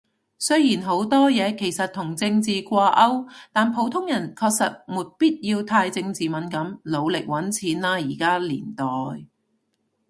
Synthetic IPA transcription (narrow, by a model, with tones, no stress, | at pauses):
sɵ˥jjiː˨˩nɦo˨˥wt̪ɔː˥jɛː˨˧kʰe˨˩jsɐ˨t̚t̪ʰʊ˨˩ŋt͡sɪ˧ŋt͡siː˨kʷaː˧ʔɐ˥wt̪aː˨npʰo˨˥wt̪ʰʊ˥ŋjɐ˨˩nkʰɔː˧k̚sɐ˨t̚muː˨˩t̚piː˥t̚jiː˧wt̪ʰaː˧jt͡sɪ˧ŋt͡siː˨mɐ˨˥nkɐ˨˧˥mlo˨˧wlɪ˨k̚wɐ˨˥nt͡sʰiː˨˥nlaː˧jiː˨˩kaː˥lḭː˨˩nt̪ɔː˨j